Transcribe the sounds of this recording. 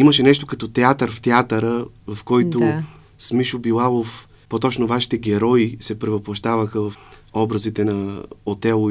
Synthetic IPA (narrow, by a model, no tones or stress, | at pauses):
iməʃɛnɛʃt̪okɐt̪ɔt̪ɛat̪əɾft̪ɛat̪əɾəvɐfkɔjt̪o | smiʃʊbilˠalˠof | pot̪ɔt͡ʃnʊvaʃi̥t̪ɛɡʲɛɾɔisɛpɾɛvɐplˠɐʃt̪avəxəvɐfɔbɾəzit̪ɛnɐot̪ɛlˠ